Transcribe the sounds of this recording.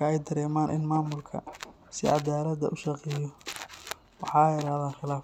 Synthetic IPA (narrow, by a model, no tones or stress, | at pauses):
ɐɛjd̪ɐɾɛːmaːnʔɪ̰nmaːmʊlkʰɐ̰ | sɪ̰ʕɑ̰d̪aːlɐd̪ɐʔʊʃɑqɛjɔ | wɑħɑːɛjɾaːhðaːnχɪlaːf